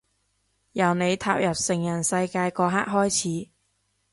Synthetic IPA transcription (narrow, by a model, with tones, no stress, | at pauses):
jɐ˨˩wne˨˧jt̪ʰaː˧p̚jɐ˨p̚sɪ˨˩ŋjɐ˨˩nsɐ˧jkaː˧jkɔː˧ɦa̰ː˥k̚ɦɔː˥jt͡sʰiː˨˥